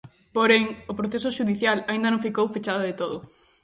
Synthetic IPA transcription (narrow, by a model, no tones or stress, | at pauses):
poɾeŋʊpɾoθesʊʃuðiθjalaĩnd̪ɐnõŋ̃fikowfet͡ʃaðoðet̪oðʊ